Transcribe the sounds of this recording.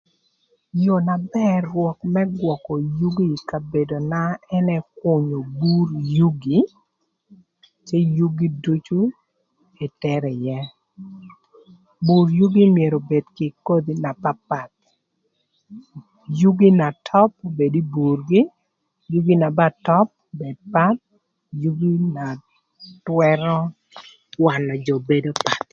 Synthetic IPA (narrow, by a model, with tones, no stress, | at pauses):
jo˨na˨bɛ˦wɔ˨kmɛ˦ɡwɔ˨kɔ˨ju˦ɡi˦ka˨be˨do˨na˦ɛ˦nɛ˦kʊ˦ɲo˨bu˦ɾju˦ɡi˨ | t͡ʃe˦ju˦ɡi˦du˦t͡ʃu˦ | e˨tɛ˦ɾɛ˨jɛ˦ | bu˨ɾju˦ɡi˦mie˨ɾo˨be˨dkɪ˨ko˦d̪i˦na˨pa˦pa˨t̪̚ | ju˦ɡi˦na˨tʰɔ˦p̚be˨di˦bu˨rɡi˦ | ju˦ɡi˦na˨ba˦tɔ˦p̚bɛ˨d̚pa˦t̪̚ | ju˦ɡi˦na˨ | twɛ˦ɾɔ˦ | wa˨nɔ˨d͡ʒɔ˨be˦do˦pa˨t̪̚